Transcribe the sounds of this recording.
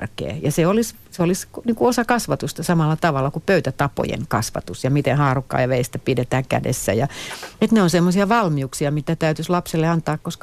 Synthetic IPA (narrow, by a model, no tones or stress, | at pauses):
rkḛːjɑseolis | seolisniːŋkuosɑkɑsʋɑt̪ust̪ɑsɑmɑlːˑɑt̪ɑʋɑlːˑɑkupøyt̪æt̪ɑpo̰jḛŋkɑsʋɑ̰t̪usjɑmit̪enhɑːrukːɑ̰ːjɑʋeist̪æpidet̪æːkæ̰dḛsːæ̰jɑet̪neonsemːosiɑʋɑlmiuksiɑmit̪æt̪æyt̪yslɑpselːeɑnt̪ɑːkkoskɑ